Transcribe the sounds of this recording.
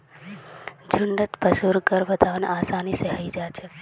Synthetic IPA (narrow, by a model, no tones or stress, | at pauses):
d͡ʒʱʊɳɖət̪pəsuɾkəɾbət̪aːʋənaːsaːniseɦəid͡ʒat͡ʃʰe